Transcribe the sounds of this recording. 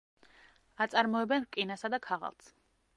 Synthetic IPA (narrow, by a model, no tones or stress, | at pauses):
at̪sʼaɾmɔɛbɛnkʼinasad̪akʰaʁa̰lˠs